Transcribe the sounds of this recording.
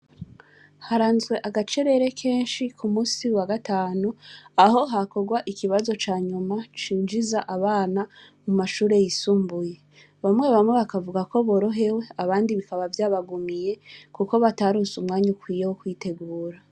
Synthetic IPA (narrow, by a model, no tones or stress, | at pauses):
haɾaːnzɡwe̞ʔaɡat͡ʃe̞ɾe̞ɾe̞kʰe̞ːnʃikʰumuːsiwaɡataːnuaho̞ɦako̞ɡwaʔikiβazo̞t͡ʃaːɲumat͡ʃiːnd͡ʒizaʔaβaːna | mumaʃuːɾe̞jisuːmbuje | βamŋe̞βamŋe̞βakavuɡako̞βo̞ɾo̞ɦe̞we̞aβaːndiβikaβavjaːβaɡumije̞kuko̞βataɾuːnsumŋaːɲukwiːjewokwiːte̞ɡuːɾa